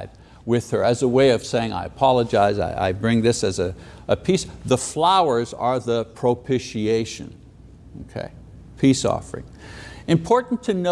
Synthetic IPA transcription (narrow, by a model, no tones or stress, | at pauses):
d̚ | wɪð̥ə˞ɨzəweɪʌv̥seɪɪ̃ŋa̰ɪɨpʰɑlˠəd͡ʒaɪza̰ɪʔa̰ɪbɹɪ̃ŋðɪsɨzɨʔəpʰisðəflaʊə˞zə˞ðəpʰɹ̥oʊpʰɪʃieɪʃɨ̰̃n | oʊkʰḛɪ | pʰisɔ̰fə˞ɪ̰̃ŋ | ɨ̃mpʰɔɹʔn̩tʰɨno